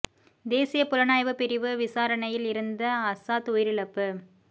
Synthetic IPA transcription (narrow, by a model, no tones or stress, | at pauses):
d̪eːsɪjɐpʊlɐnaːjʋɯpɪɾɪʋɯʋɪsaːɾɐnɐjɪlɪɾɯnd̪ɐɐsaːt̪ʊjɪɾɪlɐpːɯ